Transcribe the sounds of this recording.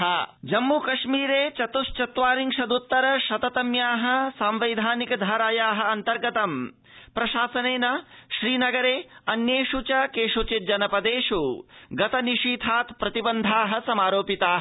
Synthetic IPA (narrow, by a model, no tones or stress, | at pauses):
ɦɐd͡ʒɐmːukɐʃmiːɾeːt͡ʃɐt̪uʃt͡ʃɐt̪ʋaːɾiŋʂɐd̪ut̪ːɐɾɐʃɐt̪ɐt̪ɐmjaːɦɐ̆saːmʋɐjd̪ʱaːnikɐd̪ʱaːɾaːjaːɦɐ̆ɐnt̪ɐɾɡɐt̪ɐm | pɾɐʃaːsɐneːnɐʃɾiːnɐɡɐɾeːɐnjeːʃut͡ʃɐkeːʂut͡ʃit̪̚d͡ʒɐnɐpɐd̪eːʂuɡɐt̪ɐniʂiːt̪ʰaːt̪pɾɐt̪ibɐnd̪ʱaːɦɐ̆sɐmaːɾoːpit̪aːɦ